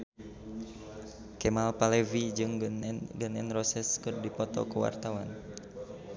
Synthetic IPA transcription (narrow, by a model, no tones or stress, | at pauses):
kɛmalpalɛvid͡ʒɨŋɡənɛnrɔsɛskɨrdipɔt̪ɔ̰kuwa̰rt̪awan